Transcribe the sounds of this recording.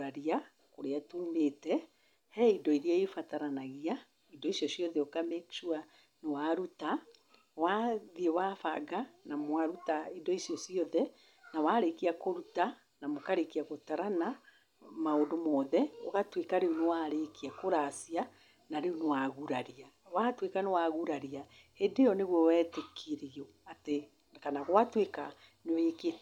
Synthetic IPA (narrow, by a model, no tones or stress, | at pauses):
aɾia | koɾeatumetɛ | hɛidɔiɾiaifataɾanaɣia | idɔisjɔsijɔðɛokamɛkʃua | newaɾuta | waðiewafa̰ɡanamwaɾutaidɔisjɔsiɔðɛ | nawaɾekiakoɾuta | namokaɾekiaɣotaɾana | maondomɔðɛoɣatwekaɾeonewaɾekiakoɾasia | naɾeonewaɣuɾaɾia | watwekanewaɣuɾaɾia | endejɔneɣwɔwɛːtekʰiɾiɔ | ate | kanaɣowatweka | neweke